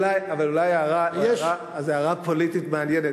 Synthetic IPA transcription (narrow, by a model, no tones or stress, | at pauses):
lajavalulajeaʁajɛʃa | zeaʁapolit̪it̪meanjene